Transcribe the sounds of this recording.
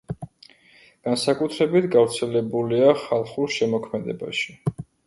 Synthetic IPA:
ɡ̥ansakʼut̪ʰɾɛbit̪ʰɡavɾt̪sʰɛlɛbuliaχalˠχuɾʃɛmɔkʰmɛd̪ɛ̰ba̰ʃi̥

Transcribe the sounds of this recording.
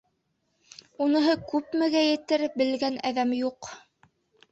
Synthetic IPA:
unɤ̆ɦɤkʉpmɘ̆ɡæjɘ̆t̪ɘɾbɘ̆lɡænæðæmjuq

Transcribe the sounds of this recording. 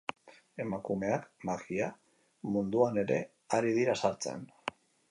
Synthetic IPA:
e̞makume̞akmaɣia | mund̪uane̞ɾe̞̰ | aɾið̞iɾasaɾt͡se̞̰n

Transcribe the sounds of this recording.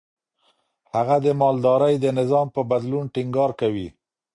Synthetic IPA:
haɣad̪əmɑld̪ɑɾəjd̪ənɪzɑmpəbad̪lunʈiŋɡɑɾkawi

